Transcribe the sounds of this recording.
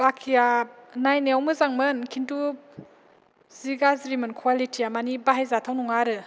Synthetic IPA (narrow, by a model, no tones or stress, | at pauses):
bakʰijanajneawmɯzaŋmɯnkʰintu | ziɡazɾimɯnkʰwalitʰijamanibaɦajzatʰawnuŋaɾɯ